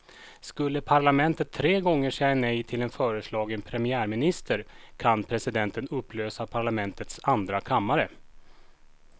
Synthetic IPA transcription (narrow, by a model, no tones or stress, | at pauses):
skɵlːəpʰaɾɭamɛnt̪ət̪ʰːɾeːɡɔŋːəʂɛjanɛjt̪ʰɪlɛnfœːɾəslɑːɡənpʰɾɛmɪæːɾmɪnɪst̪ʰəɾkʰanpʰɾɛsɪd̪ɛnt̪ənɵpːløːsapʰaɭamɛnt̪ət̪sand̪ɾakʰamːaɾə